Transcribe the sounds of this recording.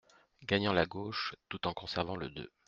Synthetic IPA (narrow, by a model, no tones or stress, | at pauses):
ɡaɲɑ̃laɡoʃt̪ut̪ɑ̃kɔ̃sɛʁvɑ̃lə̰d̪ø̰